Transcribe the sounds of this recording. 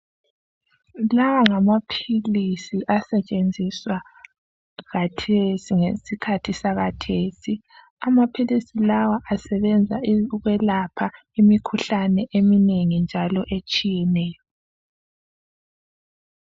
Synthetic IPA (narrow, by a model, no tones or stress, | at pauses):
lawaŋamapʰilisiʔasɛt͡ʃʼend͡zʱiswa | ɣatʰesiŋesikʰatʰisaɣatʰeːsi | amapʰilisilawaʔasɛβɛnd͡zʱaɣwɛlapʰa | imikʰuɬanɛʔemineŋind͡ʒʱalɔʔet͡ʃʼijɛnɛːjɔ